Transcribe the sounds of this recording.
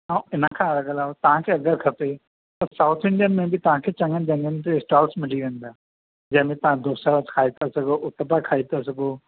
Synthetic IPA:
ãːɪnəkʰãːɾɐɡəlaːot̪ɐʋ̤ãkʰeːɐɡəɾkʰɐpe | t̪ɐsaːʊt̪ʰɪ̃ɳɖijənmẽbɪt̪ɐʋ̤ãkʰeːt͡ɕɐ̃ŋɡənɪ̆d͡ʑɐ̃ŋɡənɪ̆t̪esʈaːlsmɪliʋẽːn̆d̪aː | d͡ʑɐ̃ɦmẽt̪ɐʋãd̪oːsəɾəskʰaːit̪ʰasɐɡoʔʊt̪əbakʰaːit̪asɐɡoː

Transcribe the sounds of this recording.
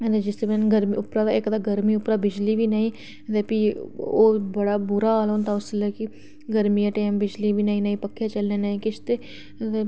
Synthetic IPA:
d̪ed͡ʒɪst̪emɛ̃ːnɡəɾmiʊpɾad̪ekd̪aɡəɾmiʊpɾabɪd͡ʒlibʱinaːĩː | t̪epioːbəɽaːbʊɾaalont̪ʰaʊseləki | ɡəɾmiːjaʈeːmbɪd͡ʒlibʱiːnaɦĩnaĩpəkʰːjet͡ʃəlnẽːnaːĩkɪt͡ʃt̪e | t̪e

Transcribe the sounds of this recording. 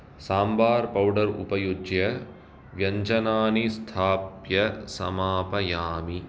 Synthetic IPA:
saːmbaːɾpɐwɖɐɾṵpɐjud͡ʒjɐ | ʋjɐɲd͡ʒɐnaːnist̪ʰaːpjɐsɐ̰maːpɐjaːmi

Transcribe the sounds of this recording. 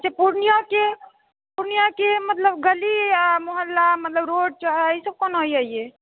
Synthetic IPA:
t͡ʃepuɾnijake | puɾnijakemət̪ləbɡəliamoɦəlːamət̪ləbɾoɖ̚t͡ʃaɦisəb̚konɦojaie

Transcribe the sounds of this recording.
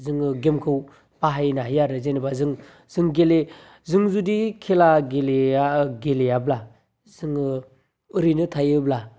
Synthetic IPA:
zɯŋɯɡemkʰɯw | paɦajnahjaɾɯzenɯbazɯŋ | z̥ɯŋɡele | zɯŋzudikʰelaɡeleɡelejabla | zɯŋɯ | ɯɾinɯtʰajɯbla

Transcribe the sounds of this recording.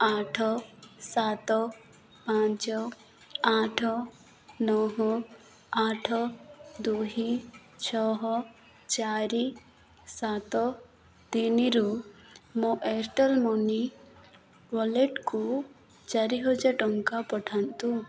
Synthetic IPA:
aːʈʰsaːt̪ɔ | pãːt͡ʃɔ | aːʈʰ | nɔɦɔ | aːʈʰd̪uːɦi | t͡ʃʰɔɦ | t͡ʃaːɾi | sat̪ɔ | t̪iniɾumoʔeɾʈəlmoni | ʋɔleʈku | d͡ʒɐɾiɦod͡ʒɐʈɔŋkapəʈʰant̪ũ

